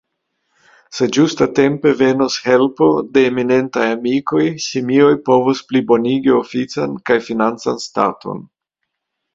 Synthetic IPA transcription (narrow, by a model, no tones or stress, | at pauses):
se̞d͡ʒustate̞mpe̞ve̞noshe̞lpo̞de̞ːmine̞ntajamiko̞jsimio̞jpo̞vosplibo̞niɡio̞fit͡sankajfinant͡sansta̰tʰo̞̰n